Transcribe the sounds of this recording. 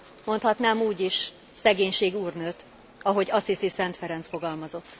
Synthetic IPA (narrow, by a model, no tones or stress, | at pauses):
mo̞nt̪hɒt̪naːmuːɟiʃ | sɛɡeːɲʃeːɡuːrnøt̪ | ɒɦo̞ɟɒsisisɛnt̪fɛɾɛnt̪sfo̞ɡɒlmɒzo̞t̪ː